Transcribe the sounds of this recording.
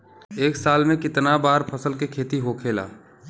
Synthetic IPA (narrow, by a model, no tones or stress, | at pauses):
eːksaːlmẽkɪt̪nabaːɾpʰɐsəlkekʰeːt̪iɦoːkʰeːla̰ː